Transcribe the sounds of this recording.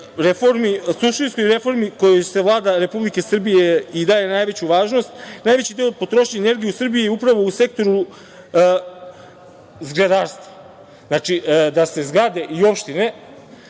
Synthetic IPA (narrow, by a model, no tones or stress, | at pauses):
ɾefo̞ɾmisuʃt̪insko̞jɾe̞fo̞ɾmiko̞jose̞ʋlˠaːd̪aɾe̞publike̞sr̩bijeid̪aːje̞naːjʋe̞t͡ɕuʋaːʒno̞st̪naːjʋe̞t͡ɕid̪eopo̞t̪ɾo̞ʃɲene̞ɾɡijusr̩bijiupɾaʋo̞use̞k̚t̪o̞ɾu | zɡled̪aːɾst̪ʋa | znaːt͡ʃid̪ase̞zɡɾad̪e̞ʔio̞pʃt̪ine̞